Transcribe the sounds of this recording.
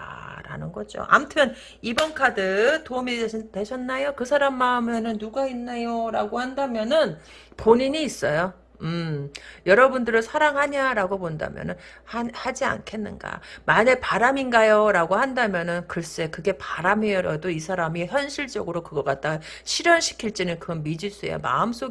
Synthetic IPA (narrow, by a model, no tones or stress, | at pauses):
aɾa̰nɯnɡʌd͡ʑo̰ʔa̰mtʰɯʌn | ibʌnkʰadɯtoumite̞ɕʰʌnːajokɯsʰaɾamːaɯme̞nɯnːuɡainːejoɾaɡohandamjʌnɯn | poɲiɲiːs͈ʌjo | ɯmjʌɾʌbundɯɾɯɭsʰaɾaŋɦaɲaɾaɡoponda̰mjʌ̰nɯn | hahad͡ʑia̰nkʰe̞nːɯ̰nɡa̰manepaɾaminɡajoɾaɡohandamjʌnɯnkɯɾs͈uekɯɡe̞paɾameʌɾʌdoisʰaɾamiçjʌnɕʰiɭt͡ɕ͈ʌɡɯɾokɯɡʌk͈at̚t͈a | ɕʰiɾjʌnɕʰi̥kʰiɭt͡ɕ͈inɯnkɯʌnmid͡ʑis͈uḛo̰ma̰ɯms͈o